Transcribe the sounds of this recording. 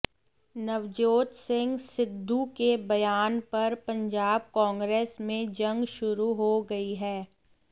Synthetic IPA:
nɐʋd͡ʒoːt̪sɪ̃ŋɡsɪd̪ʱːukebɐjaːnpɐɾpɐ̃ɲd͡ʒaːb̚kɔ̃ːŋɡɾeːsmẽd͡ʒɐ̃ŋɡʃʊɾuɦoɡɐiɦɛː

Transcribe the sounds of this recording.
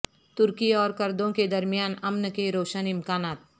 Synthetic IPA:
t̪ʊɾkiɔːɾkɐɾd̪õked̪ɐɾmɪjaːnɐmnkeɾoːʃənɪmkaːnaːt̪̚

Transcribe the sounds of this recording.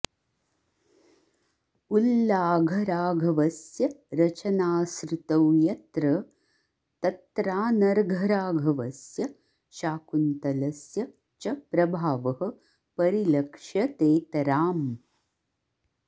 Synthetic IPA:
ulːaːɡʱɐɾaːɡʱɐʋɐsjɐɾɐt͡ʃɐnaːsɾut̪ɐwjɐt̪ɾɐ | t̪ɐt̪ɾaːnɐɾɡʱɐɾaːɡʱɐʋɐsjɐ | ʃaːkunt̪ɐlɐsjɐ | t͡ʃɐpɾɐbʱaːʋɐɦɐ̆ | pɐɾilɐkʂjɐt̪eːt̪ɐɾaːm

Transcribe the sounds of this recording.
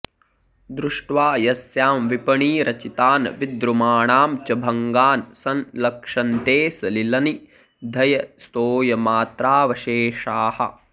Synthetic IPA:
d̪ɾuʂʈʋaːjɐsjaːmʋipɐɳiːɾʔɐt͡ʃit̪aːnʋid̪ɾumaːɳaːmt͡ʃɐbʱɐŋɡaːnsɐnlɐkʂɐnt̪eːsɐlilɐni | d̪ʱɐjɐst̪oːjɐmaːt̪ɾaːʋɐʃeːʂaːhɐ̰

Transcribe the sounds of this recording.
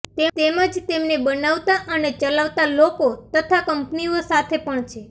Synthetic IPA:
t̪et̪emə̃d͡ʒt̪emnebənaʋt̪aʔənet͡ʃəlaʋt̪alokot̪ət̪ʰakəmpniosat̪ʰepəɳt͡ʃʰe

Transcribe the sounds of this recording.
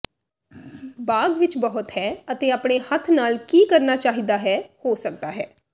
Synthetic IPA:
baːɡʋɪt͡ʃbəɦʊt̪hɛːət̪eːaːpɽeːhət̪ʰnaːlkiːkəɾnaːt͡ʃaːɦiːd̪aːɦɛːhoːsək̚d̪aːɦɛː

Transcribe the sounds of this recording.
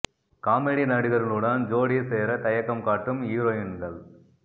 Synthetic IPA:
kaːmeɽinɐɽɯɣɐɾɪlɯɽɐnd͡ʒoːɽiseːɾɐt̪ɐjɐkːɐmkaːʈːɯmiːɾoːjɪnɡɐɭ

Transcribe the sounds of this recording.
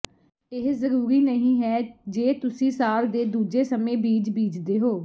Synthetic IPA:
ɪɦzəɾuːɾiːnəɦĩːɦɛːd͡ʒeːt̪ʊsĩːsaːld̪eːd̪uːd͡ʒeːsəmẽːbiːd͡ʒbiːd͡ʒd̪eːɦoː

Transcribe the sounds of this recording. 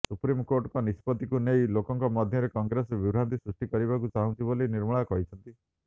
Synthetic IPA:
supɾimkoɾʈkɔnispɔt̪ikunejlokɔŋkɔmɔd̪ʱjɔɾekɔŋɡɾesbibɾant̪isɾusʈikɔɾibakut͡ʃaɦũnt͡ʃʰiboliniɾmɔɭ̃akɔɦit͡ʃʰɔnt̪i

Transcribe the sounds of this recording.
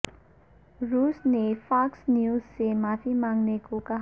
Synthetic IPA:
rusnepʰaksnjuzsemapʰimaŋnekokaɦ

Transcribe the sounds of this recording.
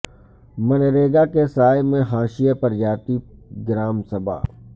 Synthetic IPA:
mɐnɾeːɡakesaːjmẽɦaːʃijapɐɾd͡ʒaːt̪iɡɪɾaːmsɐbʱa̰ː

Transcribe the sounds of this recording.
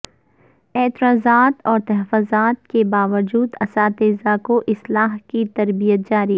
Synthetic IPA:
ɛːt̪ɪɾaːzaːt̪ɔːɾt̪ɐɦfoːzaːt̪̚kebaːʋəd͡ʒuːd̪ɐsaːt̪eːzakoʔɪslaːɦkit̪ɐɾbijət̪̚d͡ʒaːɾi

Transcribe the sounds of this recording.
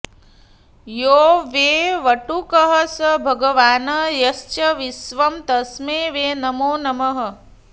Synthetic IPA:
joːʋeːʋɐʈukəɦɐsɐbʱɐɡɐʋaːnɐjɐst͡ʃɐʋisʋɐmt̪ɐsmeːʋeːnɐmoːnɐmɐɦɐ̆

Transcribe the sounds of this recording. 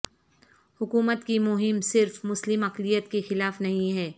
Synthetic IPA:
hʊkuːmət̪kimʊɦɪmsɪɾfmʊslɪmɐqlijət̪kexɪlaːfnɐɦĩɦɛː

